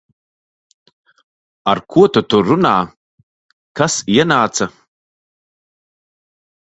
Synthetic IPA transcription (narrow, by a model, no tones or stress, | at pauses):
arkʰuɔtʰatʰurʊna̰ː | kʰasjanaːt͡sʰa